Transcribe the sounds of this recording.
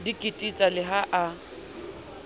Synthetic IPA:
dikʼɪtʼit͡sʼalɪɦaʔa

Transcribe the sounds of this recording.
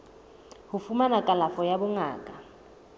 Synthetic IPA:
hufumanakʼalafɔjabuŋa̰ːkʼa

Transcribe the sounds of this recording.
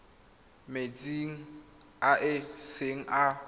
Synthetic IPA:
met͡sʼiŋ̩ | aʔɪseŋ̩ʔa

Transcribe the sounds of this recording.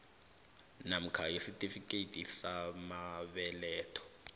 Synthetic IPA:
nam̩kʰajesitʼifikʼetʼisamaɓɛlɛːtʰʼɔ̥

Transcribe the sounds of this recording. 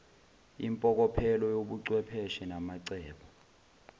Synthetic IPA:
impʼɔk̬ɔpʰɛlɔjoɓuǀwɛpʰɛʃɛnamaǀɛːɓɔ

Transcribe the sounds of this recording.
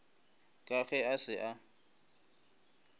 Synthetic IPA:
kʼaɣɛasɪʔa

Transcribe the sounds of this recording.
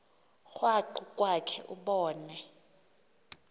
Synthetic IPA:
xwaǃukʼwakʰɛʔuɓɔːnɛ

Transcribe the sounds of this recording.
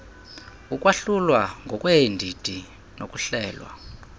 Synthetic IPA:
ukʼwaɬulwaŋɡʱɔkʼwɛndʱid̥ʱi | nokʼuɬɛːlwa̰

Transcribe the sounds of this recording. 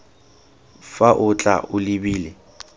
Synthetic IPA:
faʔʊt͡ɬʼa̰ʔʊlɪbiːlɪ

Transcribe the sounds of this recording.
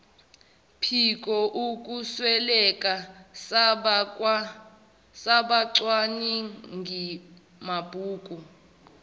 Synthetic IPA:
pʰikʼɔʔukʼuswɛlɛkʼa | saɓaǀwaniŋʱi | mab̥ʱuːkʼu

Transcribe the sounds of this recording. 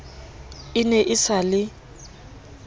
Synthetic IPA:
ɪnɛʔɪsalɪ

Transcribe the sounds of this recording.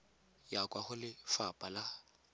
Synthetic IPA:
jakʼwaχʊlɪfapʼala

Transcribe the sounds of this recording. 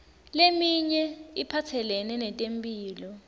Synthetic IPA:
lemiɲɛipʰatʰɛlɛnɛnɛtʼempʼiːlɔ

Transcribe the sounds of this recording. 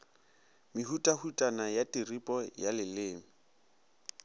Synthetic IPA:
miɦutʼahutʼanajatʼiripʼɔjalɪlɪːmi

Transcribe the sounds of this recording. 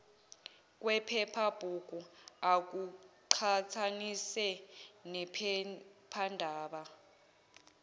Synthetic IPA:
k̬ʼwɛpʰɛpʰab̥ʱuk̬ʼuak̬uǃʰat͡sʰanisɛnɛ | pʰandʱaːɓa

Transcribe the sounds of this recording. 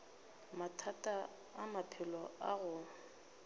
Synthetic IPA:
matʰatʼa | amapʰɪlɔaɣʊ

